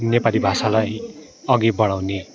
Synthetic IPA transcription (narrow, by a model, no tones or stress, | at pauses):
nepalibʱasalaj | ʌɡibʌɽ̃awne